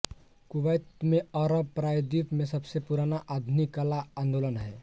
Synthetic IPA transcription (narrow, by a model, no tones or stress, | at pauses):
kuʋəjt̪mẽɔɾəb̚pɾaːjd̪it̪mẽsəbsepuɾaːnaʔad̪ʱnikalaãːnd̪olənɦɛː